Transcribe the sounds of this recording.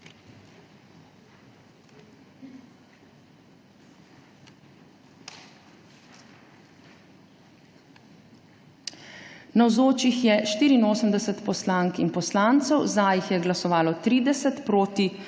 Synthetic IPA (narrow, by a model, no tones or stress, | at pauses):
nawzoːt͡ʃixjɛʃt̪iːɾiːnoːsəmd̪ɛsət̪pɔslaːŋkinpɔslaːnt̪sɔwzajixjɛɡlasɔʋaːlɔt̪ɾiːd̪ɛsɛt̪pɾoːt̪i